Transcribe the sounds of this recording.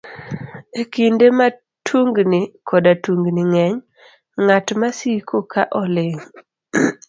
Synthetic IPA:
ekindema | tʰuŋɡnɪkʰɔdatuŋɡnɪŋɛɲ | ŋatmasikʰokaʔɔlɪŋ

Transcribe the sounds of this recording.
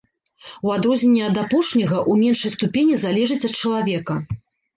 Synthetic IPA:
uad̪ɾɔzʲnʲenʲːɛɐd̪apɔʂnʲɐɣɐʔumʲɛnʂɐjst̪upʲenʲizalʲɛʐɨt͡sʲɐt̪̚t͡ʂɐlˠavʲɛkɐ

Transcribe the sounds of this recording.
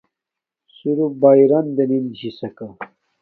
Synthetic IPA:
suɾubajɾɐnd̪eninʑisɐka

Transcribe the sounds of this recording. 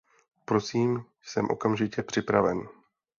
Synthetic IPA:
pɾo̞siːm | sɛmʔo̞̰kamʒɪcɛpr̝̥ɪpɾavɛn

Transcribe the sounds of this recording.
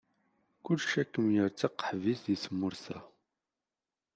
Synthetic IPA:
kʊlːʃækːəmjəɾt͡sːaqːə̥ħvisðisəmːʊɾθæ

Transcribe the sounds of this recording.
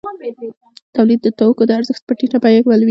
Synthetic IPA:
t̪awlid̪̚ːət̪awkod̪əaɾzəxt̪̚pəʈiʈapajakwəlwi

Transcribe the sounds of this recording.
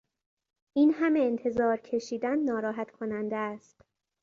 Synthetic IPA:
ʔiːnhæmeːnt̪ʰe̞zɒːɾcʰe̞ʃiːd̪ænːɒːɾɒːɦæt̪kʰo̞nænd̪eæst̪

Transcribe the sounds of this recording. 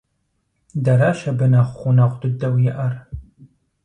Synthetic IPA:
dɐɾaʃɐbɨnɐχʷχʷunɐʁʷd̪ɨdɐwjɛʔɐr

